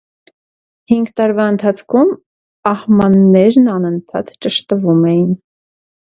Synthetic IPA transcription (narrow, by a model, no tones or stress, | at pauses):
hiŋɡt̪ɑɾvɑənt̪ʰɑt͡sʰkʰum | ɑhmɑnːɛɾnɑnənt̪ʰɑ̰t̪t͡ʃəʃt̪əvumɛjin